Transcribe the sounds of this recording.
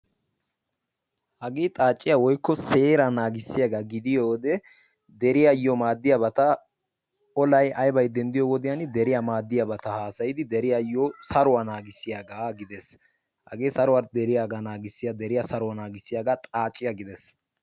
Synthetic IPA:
hɐɡeːt̪ʼaːt͡ʃʼːɪjawɔjkːɔse̞ːɾɐnaːɡɪsːɪjaɡaɡɪd̪ɪjoːd̪ɛ | d̪ɛɾɪjajːɔmaːd̪ːɪjabɐt̪ɐ | ɔlɐjɐjbɐjd̪ɛnd̪ɪjɔwɔd̪ɪjand̪ɛɾɪjamaːd̪ːɪjɐbɐt̪ɐhaːsɐjɪd̪ɪd̪ɛɾɪjajɔsɐɾʊwanaːɡɪsːɪjaɡaːɡɪd̪ɛs | hɐ̰ɡeːsɐɾʊwɐɾd̪ɛɾɪjaːɡanaːɡɪsːɪjad̪ɛɾɪjasɐɾʊwɐnaːɡɪsːɪjaɡat̪ʼaːt͡ʃʼːɪjaɡɪd̪ɛs

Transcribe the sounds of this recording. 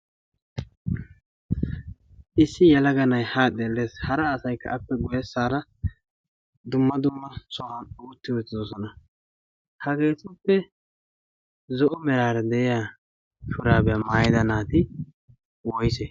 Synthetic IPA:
ʔɪsːɪjɐlɐɡɐnɐjhaːd̪eːlːeːshɐɾɐːsɐjkːɐ̰ʔɐpːɛɡʊjɛsːaːɾɐ | d̪ʊmːɐd̪ʊmːɐsɔhɐnɔʊt̪ːɪwɔt̪ːɪd̪ɔsɔnɐ | hɐɡe̞ːt͡sːʊpːɛ | zɔʔɔmɛɾaːɾɐd̪ɛɛjaː | ʃʊɾaːbɛjamaːjɪd̪ɐnaːt̪ɪ | wɔjsɛ

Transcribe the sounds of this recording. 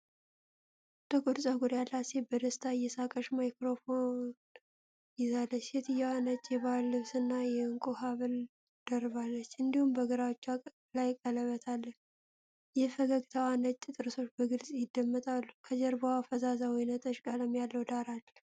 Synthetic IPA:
t̪əkʼud̪sʼaɡuɾjalːasebəd̪əst̪ʰajɛsakʼəʃmajkɾo̞fon | jɪzalːət͡ʃːjɛt̪ʰɨjawanət͡ʃʼːjɛβalːɨβsɨnːajɛɨŋkʼoɦaβɨl | d̪̥ərβalːət͡ʃːɨnd̪ihumbəɡɨɾawt͡ʃːa | lajkʼələβət̪ʰalːə | jɛfəɡəɡt̪ʰəwanət͡ʃʼːt̪ʼɨɾɨso̞t͡ʃːbəɡɨlsʼjɪd̪ːəmːɨt̪ʼalːukʰəd͡ʒɛɾbawafəzazawɔjnət̪ʰʼət͡ʃːkʼaləmjalːəwd̪aɾal

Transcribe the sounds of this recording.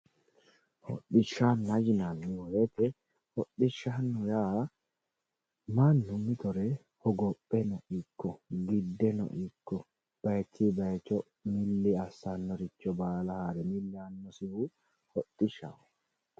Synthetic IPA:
hɔ̰ɗɪʃːanːɐɡɪnanːɪwɔjet̪ɛ | hɔɗːɪʃːanːɔjaː | manːʊmɪt̪ɔɾɛ | hɔɡɔpʼːɛnɔʔɪkːɔɡɪd̪ːɛnɔ̰ʔɪkːɔ | b̥ɐjt͡ʃːibɐjt͡ʃːɔ | mɪlːɪɐsːanːɔɾɪt͡ʃːɔbaːlɐhaːɾɛmɪlːɪɐnːɔsɪhʊ | hɔtːɪʃːa̰wɔ

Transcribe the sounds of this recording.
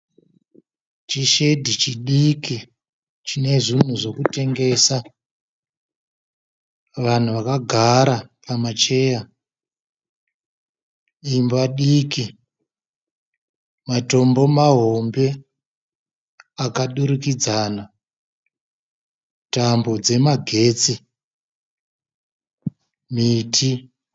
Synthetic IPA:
t͡ʃiʃe̞dʱit͡ʃiɗiki | t͡ʃine̞ʐin̤uʐo̞kute̞ŋɡe̞sa | ʋan̤uʋakaɡʱaɾapamat͡ʃe̞ːja | imbaɗiki | mato̞mbo̞maɦombe̞ | akaɗuɾukid͡zana | tambod͡ze̞maɡʱe̞ːt͡si | miːtʰi

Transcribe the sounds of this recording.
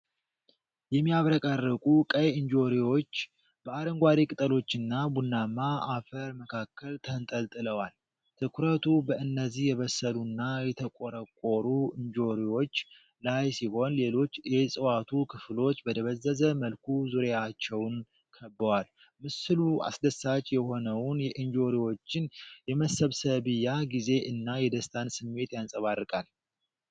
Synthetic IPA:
jɛmːijaβɾəkʼarːəkʼukʼəjɨɲd͡ʒo̞ɾiwo̞t͡ʃː | b̥əaɾəŋɡʷaɾikʼɨt̪ʼəlo̞t͡ʃːɨnːabunːamːaafəɾməkʰakʰːəlt̪ʰənt̪ʼəlt̪ʼɨləwal | t̪ʰɨkʰuɾət̪ʰubəɨnːəzːihjɛβəsːəlunːajɛt̪ʰəkʼoɾəkʼːoɾuɨɲd͡ʒo̞ɾiwo̞t͡ʃː | lajsiho̞nle̞lo̞t͡ʃːjɛsʼɨwat̪ʰukʰɨflo̞t͡ʃːbət̪ʰəβəzːəzəməlkʰuzuɾjat͡ʃːɛwn | kʰəbːəwal | mɨsɨlua̰sd̪əsːat͡ʃʼjɛho̞nəwnjɛʔɨnd͡ʒo̞ɾiwo̞t͡ʃːɪnjɛməsəβsəβɨjːaɡize̞ʔɨnːajɛd̪əst̪ʰansɨmːe̞t̪jansʼəβarɨkʼal

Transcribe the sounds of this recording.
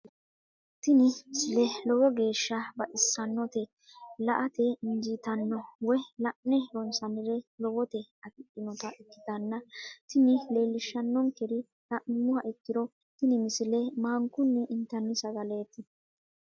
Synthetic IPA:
t̪ɪnɪmɪsɪlɛlɔwɔɡe̞ːʃːɐbɐʔɪsːɐnːɔt̪ɛ | lɐʔɐt̪ɛɪnd͡ʒit̪ɐnːɔwɔjlɐʔnɛɾɔnsɐnɪɾɛlɔwɔt̪ɛɐt̪ɪʔʼɪnɔt̪ɐʔɪkːɪ̥d̪ɐnːɐt̪ɪnɪle̞ːlːɪʃːɐnːɔŋkɛɾɪ | lɐʔɪmːʊhɐʔɪkːɪd̪ɔ | t̪ɪnɪmɪsɪlɛmaːŋkʊnːɛʔɪnt̪ːɐnːɪsɐɡɐleːt̪ːɪ

